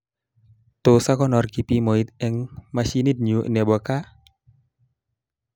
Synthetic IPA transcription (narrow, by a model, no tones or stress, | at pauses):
t̪osakɔnɔrkipimɔit̪ɛŋmasinit̪̚ɲuʔnɛbɔka